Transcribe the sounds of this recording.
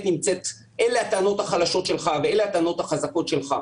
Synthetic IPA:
t̪nimt͡se̞t̪ | ʔeleat̪aano̞t̪haχalaʃo̞tʃe̞lχaveeleat̪aanot̪haχazako̞tʃe̞lχa̰

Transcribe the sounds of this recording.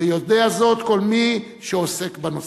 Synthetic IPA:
ejod̪eazo̞t̪ko̞lmi | ʃeose̞kbanos

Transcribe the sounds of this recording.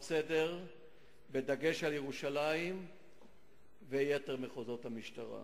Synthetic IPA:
sede̞ʁ | bed̪aɡe̞ʃaljeʁuʃalaim | vejete̞ʁmeχozo̞t̪hamiʃt̪aʁa̰

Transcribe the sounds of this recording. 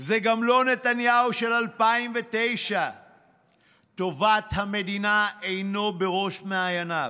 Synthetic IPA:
zeɡamlo̞ne̞t̪anjauʃe̞lalpaimve̞t̪ejʃa | t̪o̞vat̪hame̞d̪inaejno̞be̞ʁo̞ʃmeajana

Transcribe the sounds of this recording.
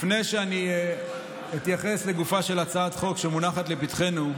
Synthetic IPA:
fne̞jʃeani | it̪jaχe̞sle̞ɡufaʃe̞lat͡saat̪χo̞kʃemunaχat̪le̞pit̪χe̞nu

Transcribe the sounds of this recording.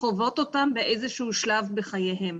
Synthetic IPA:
χovo̞to̞tambeʔejzeʃuhuʃlavbeχajeɦe̞m

